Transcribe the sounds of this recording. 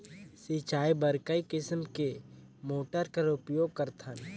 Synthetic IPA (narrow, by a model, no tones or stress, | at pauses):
sit͡ʃaːibəɾkəikɪsmke | moːʈəɾkəɾʊpjoːɡ̚kəɾt̪ʰən